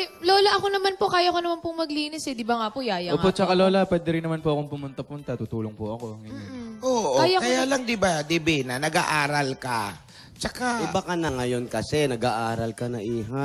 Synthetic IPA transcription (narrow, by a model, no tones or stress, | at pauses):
ɛlo̞ːlɐʔɐko̞nɐmanpo̞kaːjɐkonɐmanpʊŋmɐɡliːnɪsɛd̪ɪbaŋaːpojaːjɐoŋpot͡ʃɐkaloːlɐpwɛːd̪ɛɾɪnːɐmanpoʔɐkoŋpʊmʊnt̪ɐpʊnt̪at̪ʊt̪uːloŋpʊʔɐko̞ŋɪɲɛʔoːʔokaːjɐkɐjaːlɐŋd̪ɪbad̪ɪbinɐnɐɡaʔaːɾɐlkɐ | t͡ʃɐkaʔɪbakɐnɐŋɐjo̞nkɐsɛnɐɡaʔaːɾɐlkɐnɐʔiːɦa